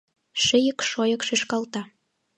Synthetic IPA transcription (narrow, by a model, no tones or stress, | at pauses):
ʃə̆jə̆kʃojɤkʃeʃkɑlt̪ɑ